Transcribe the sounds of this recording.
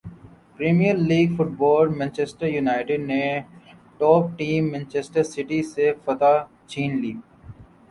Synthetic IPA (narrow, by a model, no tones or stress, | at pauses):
pɾeːmijəɾliːɡfʊʈ̚bɔːlmɛ̃ːnt͡ʃesʈəɾjunaːɪʈɪɖne | ʈɔːp̚ʈiːmːɛ̃ːnt͡ʃesʈəɾsɪʈisefɐt̪a | t͡ʃʰĩːnliː